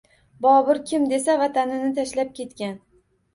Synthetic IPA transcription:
bɒbɪɾkʲʰɪmd̪e̞savat̪ʰanɪnɪt̪ʰaʃlap̚kʲe̞t̪kʲan

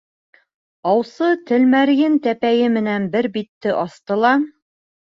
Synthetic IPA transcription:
ɑwsɤt̪ɘ̆lmæɾjɘnt̪æpæjɘmɘ̆nænbɘɾbit̪ːɘʔɑst̪ɤ̆lˠɑ

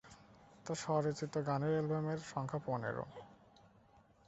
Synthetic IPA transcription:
t̪aʃɔɾet͡ɕit̪ːoɡaneelbemeɾʃɔŋkʰaponḛɾo̰

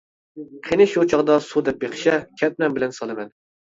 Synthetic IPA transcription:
qʰenɪʃot͡ʃʰɑʁd̪ɑsud̪ɛp̚beχʃɛkʲʰɛt̪̚mɛŋbɪlɛnsɑlˠɨmɛn

